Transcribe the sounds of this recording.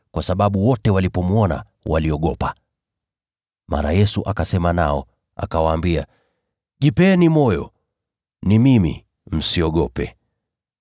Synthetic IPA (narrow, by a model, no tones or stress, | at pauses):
kwasaɓaɓuwɔtɛwalipɔmuɔna̰ | waliɔɠɔpa | ma̰ɾajɛsuʔakasɛmanaɔ | a̰kawaːmbia | ʄipɛːnimɔjɔ̰ | nimimḭ | m̩siɔɠɔpɛ